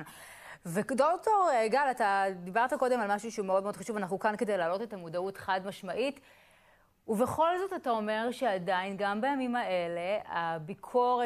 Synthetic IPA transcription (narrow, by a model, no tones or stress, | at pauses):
n | vekdoto̞ʁeɡalatad̪ibaʁtako̞de̞malmaʃuʃeumeo̞d̪meod̥̪χaʃuvanaχnukanke̞de̞jlaːlo̞te̞tamudaute̥χadmaʃmaʔit | uveχo̞lzo̞tatao̞me̞ʁʃeadajnɡambajamimaele̞abikʰo̞ʁe